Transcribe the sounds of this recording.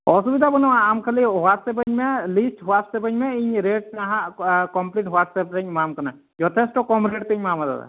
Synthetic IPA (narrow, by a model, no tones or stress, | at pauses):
ɔsubid̪ʱabənoamkʰəliɦwat̪sep̬əɲmelisʈɦwatsepəɲmeiɲɾeʈ̚aɦãkɔmpliʈɦwaʈsep̚ɾeɲmamkəna | d͡ʒɔt̪ʰesʈɔkɔmɾeʈt̪əɲmamad̪a̰t̪a̰